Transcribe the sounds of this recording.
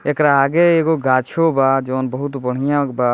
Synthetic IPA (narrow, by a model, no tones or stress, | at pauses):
ekɾaːɡeeɡoɡat͡ʃʰobad͡ʒəːnbəɦut̪bəɽ̤ijãba